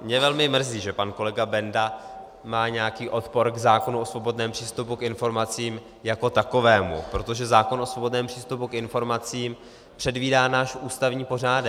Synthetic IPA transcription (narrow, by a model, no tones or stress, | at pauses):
mɲɛvɛlmɪmr̩ziːʒɛpanko̞lɛɡabɛnda | maːɲɛjakiːʔo̞t̪po̞ɾɡzaːko̞nuʔosvo̞bo̞dnɛːmpr̥iːst̪upukɪnfo̞ɾmat͡siːm | jako̞t̪ako̞vɛːmṵpɾo̞t̪o̞ʒɛzaːko̞nʔosvo̞bo̞dnɛːmpr̥iːst̪upukɪnfo̞ɾmat͡siːm | pr̥ɛdviːdaːnaːʃʔuːst̪avɲiːpo̞r̝aːdɛ